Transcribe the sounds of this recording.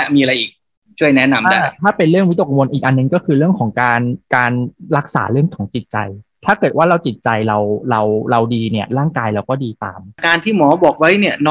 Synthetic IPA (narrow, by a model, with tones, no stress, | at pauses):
miː˧ɾa˧jʔiː˨˩k̚ | t͡ɕʰu˥˩əjnɛ˦˥na˧mʰadaː˥˩t̪ʰaː˥˩pe˧nɾɯ˥˩əŋwi˦˥o˨˩k̚wo˧nʔiː˨˩k̚ʔa˧nːɯ˨˩ŋkɔː˥˩kʰɯː˧ɾɯ˥˩əŋkʰɔː˩˦ŋkaː˧nkaː˧nɾa˦˥k̚sa̰ː˩˦ɾɯ˥˩əŋkʰɔː˩˦ŋt͡ɕi˨˩t̪̚t͡ɕa̰˧jt̪ʰaː˥˩kɤː˨˩t̪̚waː˥˩ɾa˧wt͡ɕi˨˩t̪̚t͡ɕa˧jɾa˧wɾa˧wɾa˧wdiː˧ni˥˩ɐɾaː˥˩ŋkaː˧jɾa˧wkɔː˥˩diː˧t̪a̰ː˧mkaː˧nt̪ʰiː˥˩mɔː˩˦bɔː˨˩k̚wa˦˥jni˥˩ɐnɔː˦˥